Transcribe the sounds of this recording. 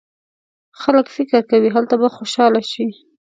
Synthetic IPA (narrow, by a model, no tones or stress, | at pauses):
xaləkfɪkɪɾkawiɦalt̪abaxoʃɑlaʃi